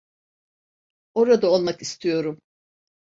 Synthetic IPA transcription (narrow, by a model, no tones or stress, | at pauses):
o̞ɾad̪aolˠmakist̪ʰijo̞ɾum